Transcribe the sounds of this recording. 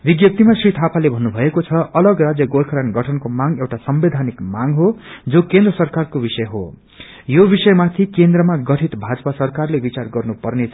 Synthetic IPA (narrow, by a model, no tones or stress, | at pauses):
biɡjʌp̚t̪imasrit̪ʰapalebʱʌnːubʱʌekot͡sʰʌʌlʌɡrad͡zjʌɡolkʰʌɾanɡʌʈʰʌnkomaŋewʈasʌmbed̪ʱanikmaŋɦod͡zokend̪rʌsʌrkarkobisʌjɦo̰ | jobisʌjmat̪ʰikend̪rʌmaɡʌʈʰit̪bʱad͡zpasʌrkarlebit͡sarɡʌrnupʌrnet͡sʰ